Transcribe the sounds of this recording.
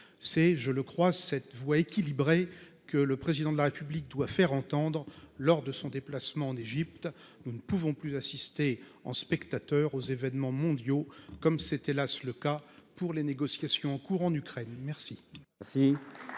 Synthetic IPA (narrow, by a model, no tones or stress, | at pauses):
sɛʒələkχwasɛt̪vwaekʲilibʁe | kələpχezid̪ɑ̃d̪əlaʁepyblik̚d̪wafɛʁɑ̃t̪ɑ̃d̪ʁlɔʁd̪əsɔ̃d̪eplasmɑ̃ɑ̃neʒip̚t̪ | nunəpuvɔ̃plyzasist̪e | ɑ̰̃spɛkt̪at̪œʁozevɛnmɑ̃mɔ̃d̪jokɔmsɛt̪elasləkapuʁleneɡɔsjasjɔ̃ɑ̃kuʁɑ̃nykχɛnmɛʁsisi